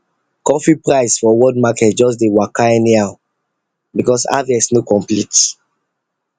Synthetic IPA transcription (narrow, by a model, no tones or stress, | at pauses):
kɔfipɹaɪsfɔwɔd̚makɛt̚d͡ʒɔs̬dewakaɛniaʊ | bikɔsa̰vɛsnokɔ̃mplit